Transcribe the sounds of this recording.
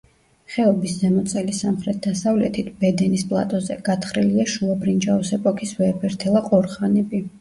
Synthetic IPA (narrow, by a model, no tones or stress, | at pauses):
χɛɔbisd̪zɛmɔt̪sʼɛlisamχɾɛt̪̚ʰd̪asavlɛt̪ʰit̪ʰb̥ɛd̪ɛnispʼlˠa̰t̪ʼɔzɛɡ̥at̪ʰχɾiliaʃulˠɔbɾind͡ʒaɔsɛpʼɔkʰisvɛpʰɛɾt̪ʰɛlˠaqʼɔɾχanɛbi